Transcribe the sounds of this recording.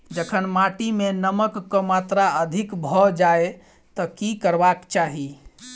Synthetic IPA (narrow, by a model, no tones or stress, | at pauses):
d͡ʒəkʰənmaʈimenəməkːəmat̪ɾaəd̪ʱikbʱɔd͡ʒae | t̪ɔkikəɾbakt͡ʃaɦi